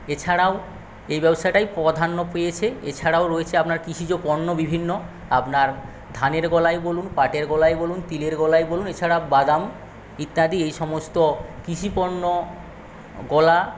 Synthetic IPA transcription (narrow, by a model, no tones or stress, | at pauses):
et͡ɕʰaɽao | ejbɛboʃajʈajpɔd̪ʱanːopejet͡ɕʰeḛt͡ɕʰaɽaoɾoet͡ɕʰeapnaɾkɾiʃʰid͡ʑopɔɾnːobibʱinːo | apnaɾ | d̪ʱaneɾɡɔlajbolunpaʈeɾɡɔlajbolunt̪ileɾɡɔlajbolunet͡ɕʰaɽabad̪am | it̪nad̪iejʃɔmost̪okiʃʰipɔɾno | ɡɔla